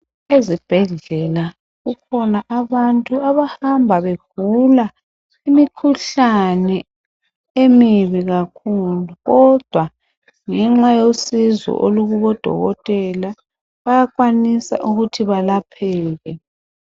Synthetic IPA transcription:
ezib̥ʱɛɮɛla | ɣukʰɔnaʔaβantʼuaβahambʱaβeɡ̥ula | imikʰuɬanɛ | emiβiɣakʰuluɣɔd̥ʱwa | ŋɛŋ͡ǁajosizɔ̰ʔoluɣuβɔd̥ʱɔ̰ɣɔtʼɛla | βajakʼwanisa̰ʔuɣutʰiβalapʰɛːɣɛ

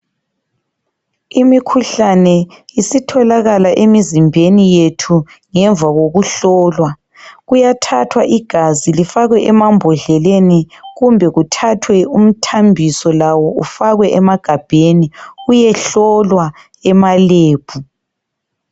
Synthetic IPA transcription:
imikʰuɬanɛ | isitʰɔlaɣalaʔemizimbʱenijetʰu | ŋɛɱvaɣoɣuɬɔːlwa | ɣujatʰatʰwaʔiɡ̥ʱazilifaɣwɛʔɛmambʱɔɮɛleni | ɣumbʱɛɣutʰatʰwɛum̩tʰambʱisɔlawɔʔṵfaɣwɛʔɛmaɡ̥ʱab̥ʱeniujɛɬɔlwa | ɛmaleːb̥ʱu

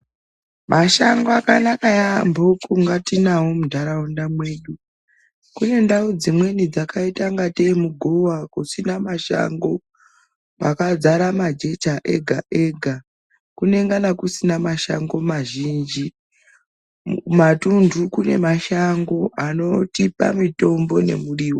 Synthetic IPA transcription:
mʔaʃaŋɡoakanakajambo̞kuŋɡatinawomudʱaɾaundamwe̞ːɗu | kune̞ndaud͡zimwe̞nid͡zakaitaŋɡate̞muɡʱowakusinamaʃa̰ŋɡo̞ | pakad͡zaɾamad͡ʒe̞t͡ʃaʔe̞̰ɡʱaʔe̞ɡʱa | kune̞ŋɡanakusinamaʃa̰ŋɡo̞maʒiːnd͡ʒi | matundʱukune̞̰maʃaŋɡo̞ano̞tipa̰mito̞mbo̞ne̞̰muriːwo

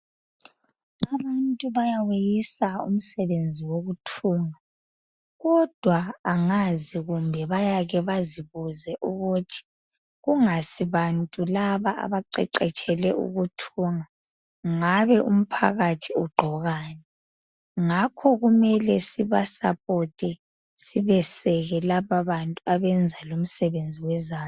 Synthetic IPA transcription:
aβantʼuβajawejisaṵm̩sɛβend͡zʱiwoɣutʰuːŋa | ɣɔd̥ʱwaːŋaziɣumbʱɛβajaɣɛβaziβuzɛʔuɣutʰi̥ | ɣuŋasiβantʼulaβaʔa̰βaǃɛ̰ǃɛt͡ʃʼɛlɛʔṵɣutʰuːŋa | ŋaβɛʔum̩pʰa̰ɣatʰiuɡ͡ǃʱɔɣaːnɛ | ŋakʰɔɣumɛlɛsiβa̰sa̰pʼɔtʼɛ | siβɛsɛɣɛlaβaβantʼuaβɛnd͡zʱalom̩sɛβend͡zʱiwɛzaːn

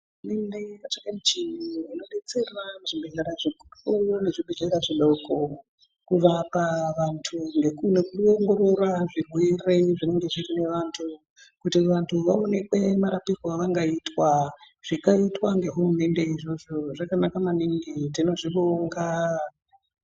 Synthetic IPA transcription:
urume̞nde̞kat͡ʃakemut͡ʃiniino̞ɗet͡se̞raʐibeɮaɾaʐikurune̞ʐiɓed͡ʒeɾaʐiɗoko | kuʋapaʋantʰuŋɡe̞kunekuoŋɡo̞ɾo̞raʐirwe̞re̞ʐine̞ŋɡe̞ʐirine̞ʋantʰu | kutiʋantʰuʋaone̞kwemaɾapirwaʋaŋɡaitwa | ʐ̥ikaitwaŋɡe̞ɦurume̞nde̞iʐo̞ʐo̞ʐakanakamaniŋɡitino̞ʐiʋoŋɡa

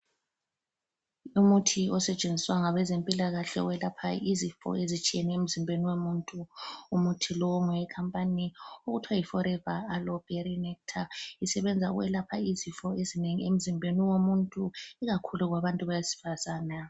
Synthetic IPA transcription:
umutʰiɔsɛt͡ʃʼend͡zʱiswaŋaβɛzempʼilaɣaɬɛ̰uwɛlapʰa̰izifɔ̰ezit͡ʃʼijeniem̩zimbʱeniwemuntʼuumutʰilɔmɛɛkʰampʼanioɣutʰwajifɔɾɛvaːlɔb̥ʱɛɾinɛktʰaisɛβɛnd͡zʱaṵɣwɛ̰lapʰaizifɔezineŋiem̩zimbʱeniwomuntʼuiɣakʰuluɣwaβantʼuβajasi̥fasaːna

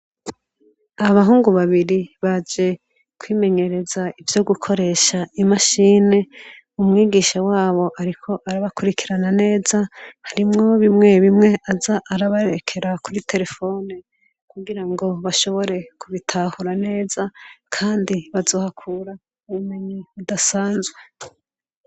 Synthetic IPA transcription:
aaβaɦuːŋɡuβaβiɾiβad͡ʒe̞ | kwiːme̞ɲe̞ɾe̞zaivjo̞ɡukʰo̞ɾe̞ːʃaimaʃiːne̞ | umŋiːɡiʃawaːβo̞ʔaɾikʰo̞ʔaɾaβakuɾikiɾanane̞ːzahaɾimŋo̞βimŋe̞βimŋe̞ʔazaʔːɾaβaɾeɾekʰe̞ɾakuɾite̞ɾe̞fo̞ːne | kuɡiɾaŋɡo̞βaʃo̞βo̞ɾe̞kuβitʰaːhuɾane̞ːzakʰaːndiβazo̞ːhakʰuːɾa | uβume̞ɲiβudasaːnzɡwe̞

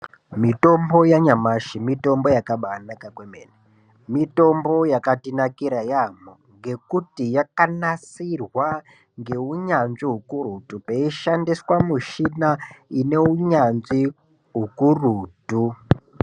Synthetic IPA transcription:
mito̞mbo̞jaɲamaʃimito̞mbo̞jakaɓaːnakakwemeːne | mito̞mbo̞jakatinakiɾajamoŋɡe̞kutijakanasirwa | ŋɡe̞uɲanziɦukurutupeiʃandiswamuʃinaine̞uɲanzi | ɦukuruːtu

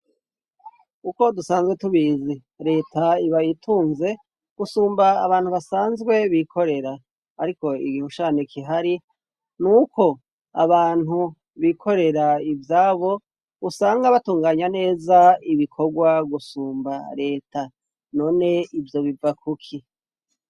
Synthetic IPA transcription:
kuko̞dusaːnzɡwetuβiːzi | ɾe̞ːtaiβajitʰuːnze̞ | ɡ̥usuːmbaːβaːnhuβasaːnzɡwe̞βikʰo̞ɾe̞ɾaː | ɾiko̞ḭɡiːhoʃaːnekʰiɦaɾi | nuːkʰo̞ | a̰βaːn̥hu | βikʰo̞ɾe̞ɾaivjaːβo̞ | usaːŋɡaβatuːŋɡaːɲane̞ːzaiβikʰo̞ɡwaɡusuːmba̰ɾe̞ːtʰa | no̞ːne̞ivjo̞βivakʰukʰi

